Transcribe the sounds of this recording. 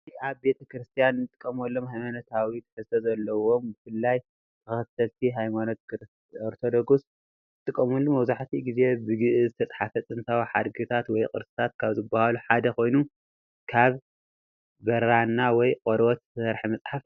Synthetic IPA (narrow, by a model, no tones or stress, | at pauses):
iaβbe̞t̪ʰɐkɾɨst̪ʰijanːɨt̪ʼɨkʼːɐmɐlːomɦajmanot̪ʰawit̪ʰɨ̥ħɨzt̪ʰozɐlːɐwombɨfɨlːaj | t̪ʰɐxɐt̪ʰːɐlt̪ʰiɦajmano̞t̪̚kɾ | oɾt̪ʰo̞d̪oɡus | ɨt̪ʼɨkʼːɐmulːumɐwzaħt̪ʰiɡize̞bɨɡɨʔɨzɨt̪ʰɐt͡sʼħafɐt͡sʼɨnt̪ʰawiħa̰d̪ɡɨt̪ʰat̪wɔjqʼɨ̰ɾsɨ̥t̪ʰat̪̚kʰaβzɨbːahaluħad̪ɐkʰo̞jnu | kʰaβ | bɐɾanːawɔjqʼoɾwɔt̪ʰsɐɾħimɐsʼħaf